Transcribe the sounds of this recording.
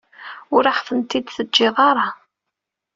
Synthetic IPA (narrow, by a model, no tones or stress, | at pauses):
ʊɾaħθˤənt̪ːid̪θəd͡ʒːɪðˤɑɾˤɑ